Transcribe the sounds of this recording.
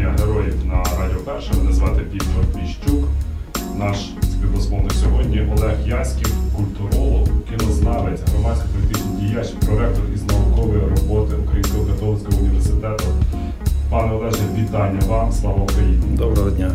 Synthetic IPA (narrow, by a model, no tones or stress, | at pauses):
ɐɦeɾɔjiwnɐɾɑdʲiɔpɛrʃɛʋɪnɐzʋɑt̪epʲit̪ɔrʋʲiʃt͡ʃuk | nɑʃ | sʲpʲit̪ɔsmɔmnɐsʲɔɦɔdʲnʲiʔɔlˠɛxjɑsʲkʲiwkʊlʲt̪ʊɾɔlˠɔkkʲɪnɔznɑʋetʲɦɾɔmɑsʲkɔ̥pɔlʲit̪ɪt͡ʃnɪdʲijat͡ʃpɾɔɾɛk̚t̪ɔriznɔlˠʊkɔʋɔjirɔbɔt̪ɪʊkɾɐjimʲsʲkɔɦɔkɐt̪ɔlˠnsʲkɔɦɔʊnʲiʋersɪt̪ɛt̪ʊ | pɑnɛɔlˠɛʒɛʋʲit̪ɑnʲːɐʋɑmslˠɑʋɔkɐlʲḭnʲd̪ɔbɾɛɦɔdʲnʲa